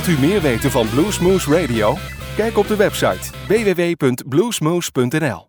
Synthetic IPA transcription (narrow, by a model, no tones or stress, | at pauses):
ʋlˠtymɪːɹʋejtənvɑnbluːsmuːsɹejdiowkɛjkɔb̚dəʋɛpsɑ̰jtʋeːʋeːʋejpɵntbluːsmuːspɵntɛnɛ̰lˠ